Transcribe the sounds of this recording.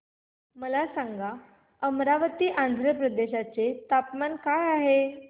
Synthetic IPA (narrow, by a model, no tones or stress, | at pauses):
məlasãŋɡa | əmɾaʋət̪iːʔãnd̪ʱɾəpɾəd̪eɕat͡set̪apmankajaɦe